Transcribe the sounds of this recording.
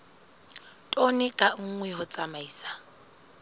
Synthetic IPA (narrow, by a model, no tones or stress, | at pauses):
tʼonɪkʼaŋ̩ŋwɛɦʊt͡sʼamaiːsḁ